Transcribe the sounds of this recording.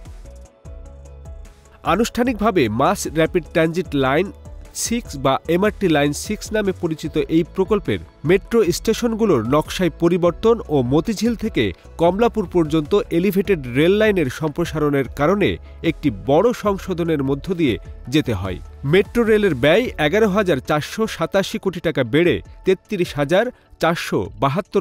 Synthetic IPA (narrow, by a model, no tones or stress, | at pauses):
anuʃʈʰanik̚bʱabemasɾɛpiɖ̚ʈand͡ʑiʈlajnsiksbaʔemaɾʈilajnsiksnamepoɾit͡ɕit̪oʔejpɾokolpḛɾ | meʈɾosʈeʃonɡuloɾnɔkʃajpoɾiboɾt̪onomot̪id͡ʑʱilt̪ʰekḛ | kɔmlapuɾpoɾd͡ʑont̪oʔelibʱeʈeɖɾelːajneɾʃɔmpɾoʃaɾoneɾkaɾonḛ | ek̚ʈibɔɽoʃɔŋʃod̪ʱoneɾmod̪ʱːod̪ijed͡ʑet̪eɦɔ̰e | meʈɾoɾeleɾbɛjɛɡaɾoɦad͡ʑaɾt͡ɕaɾʃoʃat̪aʃikoʈiʈakabeɽḛt̪et̪ːiɾiʃɦad͡ʑaɾ | t͡ɕaɾʃo̰baɦat̪ːo